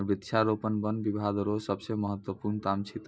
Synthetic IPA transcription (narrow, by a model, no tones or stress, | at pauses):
ɾbit̪ːʃʰaɾopənbənbibʱad̪əɾosəbsẽməɦət̪wəpuɾnt̪amt͡ʃʰit̪